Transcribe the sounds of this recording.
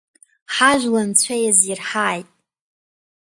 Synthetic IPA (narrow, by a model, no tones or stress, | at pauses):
ħaʒʷᶣlant͡ɕʷʰajazirħaːjtʼ